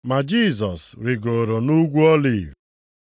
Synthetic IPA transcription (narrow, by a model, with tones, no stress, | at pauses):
ma˨d͡ʒi˦˨zɔ˨sɾɪ˨ɡo˨ɾo˨nu˦ɡʷu˦ɔ˦li˨w